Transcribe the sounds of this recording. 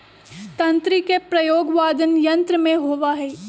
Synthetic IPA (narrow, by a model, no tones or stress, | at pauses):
t̪ɐ̃nt̪ɾikepɾɐjoːɡʋaːd̪ənjɐ̃nt̪ɾəmẽɦoːʋaɦɛː